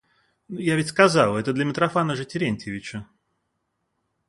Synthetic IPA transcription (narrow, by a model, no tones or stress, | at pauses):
nujavʲɪtʲskɐzalˠɛt̪əd̪lʲɐmʲɪt̪ɾɐfanəʐɨtʲɪɾʲenʲtʲɪvʲɪt͡ɕə